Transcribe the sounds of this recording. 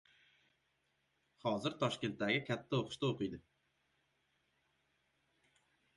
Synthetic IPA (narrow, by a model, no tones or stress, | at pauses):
hɒzɪɾt̪ʰɒʃkʲe̞nt̪t̪ːaɡʲɪkʲʰat̪ʰːaoqʰʊ̥ʃt̪aoqɨjd̪ɪ